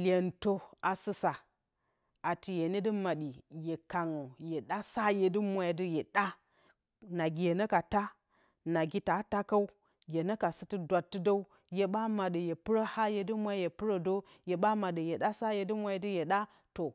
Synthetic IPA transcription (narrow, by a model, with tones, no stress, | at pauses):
lʲe˨n˨to˦a˨sɨ˦sa˨ | a˨ti˨je˨ne˦dɨ˦ma˨ɗi˨je˨ka˨ŋo˨je˨ɗa˦sa˦je˨dɨ˦mʷ˦a˨jdɨ˦je˨ɗa˦ | na˨ɡʲi˨je˨nɐ˦ka˨ta˦ | na˨ɡʲi˦ta˨˦ta˦ka˦u˦ | je˨nə˦ka˨sɨ˦tɨ˦dʷa˨tːɨ˦da˦u˦ | je˨ɓa˦ma˨də˨je˨pɨ˦ɾə˦ha˦je˨dɨ˦mʷa˦je˨pɨ˦ɾə˦do˦ | je˨ɓa˦ma˨ɗə˨je˨ɗa˦sa˦je˨dɨ˦mʷ˦a˦jdɨ˦je˨ɗa˦ | to˨